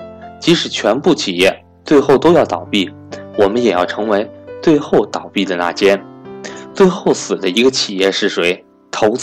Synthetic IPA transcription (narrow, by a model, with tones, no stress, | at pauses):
t͡ɕi˧˥ʂɻ̩˨˩t͡ɕʰɥɛ˧˥npu˥˩t͡ɕʰi˨˩jɛ˥˩ | t͡swe˥˧ɪxo˥˩ʊt̪o˥ʊjɑ˥˩ʊt̪ɑ˨˩ʊpi˥˩ | wɔ˨˩mə˦njɛ˨˩jɑ˥˩ʊʈ͡ʂʰɤ˧˥ŋwe˧˥ɪt͡swe˥˧ɪxo˥˩ʊt̪ɑ˨˩ʊpi˥˩d̪ə˩na̰˥˩t͡ɕjɛ˥nt͡swe˥˧ɪxo˥˩ʊsɹ̩˨˩d̪ə˦i˧˥ɡə˧t͡ɕʰi˨˩jɛ˥˧ʂɻ̩˥˩ʂwe˧˥ɪ | t̪ʰo˧˥ʊt͡s